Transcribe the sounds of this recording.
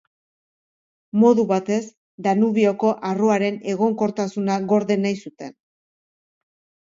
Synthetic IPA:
mo̞ðuβat̪e̞z | d̪anuβio̞ko̞ʔaroaɾe̞ne̞ɣo̞ŋko̞ɾt̪asunaɣo̞ɾðe̞najsut̪e̞n

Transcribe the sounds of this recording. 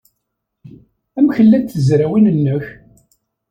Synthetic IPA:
æmçəlːænt̪θəzɾæwinənːəç

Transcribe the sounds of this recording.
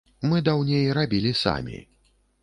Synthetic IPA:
mɨd̪awnʲejɾabʲilʲisa̰mʲḭ

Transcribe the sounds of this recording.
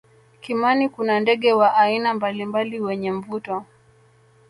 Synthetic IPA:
kimanikunandɛɠɛwaʔainambalimbaliwɛɲɛɱ̩vutɔ

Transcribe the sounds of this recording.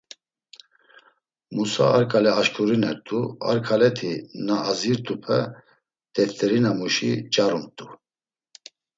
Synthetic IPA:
musa̰ːɾkʼalɛaʃkʰʼuɾinɛɾt̪ʼua̰ɾkʰalɛt̪ʰinaʔːziɾt̪ʰʼupʰɛ | t̪ɛt̪ʼɛɾinamuʃḭt͡ʃʼaɾumt̪ʼu

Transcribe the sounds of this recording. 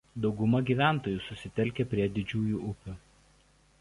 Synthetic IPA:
d̪ɒʊɡʊmɐɡʲiːʋʲæˑnˑt̪oːjuːˑsʊsʲɪt̪ʲɛlʲkʲepʲɾʲiɛd̪ʲɪd͡ʒʲuːjuːʔʊpʲʊ

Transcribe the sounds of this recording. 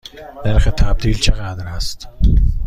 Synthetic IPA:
d̪̥æɾxet̪ʰæb̚d̪iːlt͡ʃʰeɣæd̪ɾæst̪

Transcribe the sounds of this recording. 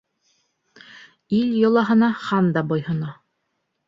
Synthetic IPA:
iljŏlˠɑɦɤ̆nɑχɑnd̪ɑbojhɤ̆nɑ

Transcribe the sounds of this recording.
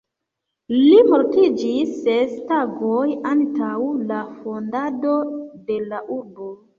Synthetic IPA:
limo̞ɾtid͡ʒisːestaɡojantawlafo̞ndado̞de̞laʔuɾbo̞

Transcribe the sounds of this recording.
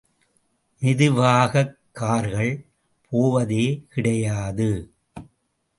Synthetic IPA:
nɪðɯʋaːɣɐkːaːɾɣɐɭ | pʰoːʋɐðeːkɪɽɐjaːðɯ

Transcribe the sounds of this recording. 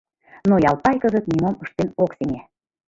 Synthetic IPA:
nojɑlˠpɑjkɤ̆ʒɤ̆k̪nʲimoməʃt̪enokseŋæ

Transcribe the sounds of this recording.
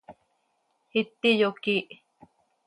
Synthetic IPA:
hit̪ːijokiʔ

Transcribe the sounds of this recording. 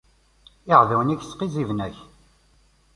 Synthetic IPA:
ɪʁðæwniçsqizivnæç

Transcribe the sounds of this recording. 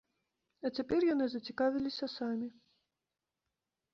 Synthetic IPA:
ɐt͡sʲapʲɛrjanɨzɐt͡sʲikavʲilʲisʲɐsamʲi

